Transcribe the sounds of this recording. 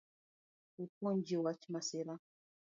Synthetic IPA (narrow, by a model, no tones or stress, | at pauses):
upɔɲd͡ʒiwat͡ʃimaseɾa